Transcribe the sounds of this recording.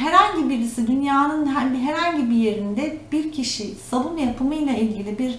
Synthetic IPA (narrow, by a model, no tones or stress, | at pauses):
ɦɛɾhaɲɟibiɾisid̪ynjaːnɯnɦæmd̪ɦeɾhaɲɟibije̞ɾind̪ɛbiɾcʰiʃisabunjapʰɯmɯjlˠailʲɟilʲibiɾ